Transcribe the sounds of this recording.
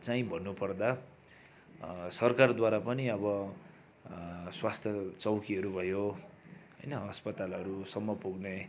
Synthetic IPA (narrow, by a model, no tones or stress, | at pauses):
t͡saĩbʱʌnːupʌrd̪a | sʌrkard̪waɾapʌniʌbʌ | swast̪ʰjʌt͡sʌwkiɦʌɾubʱʌjo | ɦʌ̰jnʌɦʌspʌt̪alʌɾusʌmːʌpuɡne